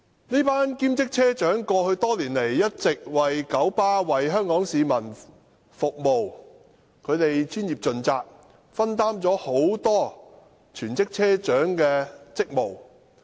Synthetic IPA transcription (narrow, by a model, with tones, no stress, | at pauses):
ne˥paː˥nkiː˥mt͡sɪ˥k̚t͡sʰɛː˥t͡ʃœː˨˥ŋkɔː˧hɵ˧ɥt̪ɔː˥liː˨˩nle˨˩jːɐ˥t̚t͡sɪ˨k̚wɐ˨jkɐ˨˥wpaː˥wɐ˨jɦœː˥ŋkɔː˨˥ŋsiː˨˧mɐ˨˩n | fʊ˨k̚mo˨w | kʰɵ˨˧ɥt̪e˨jt͡ʃyː˥njiː˨˩p̚t͡ʃɵ˨nt͡saː˧k̚ | fɐ˥nt̪aː˥mt͡sɔː˨˥ho˨˥wt̪ɔː˥ | t͡ʃʰyː˨˩nt͡sɪ˥k̚t͡sʰɛː˥t͡ʃœː˨˥ŋkɛː˧t͡sɪ˥k̚mo˨˩w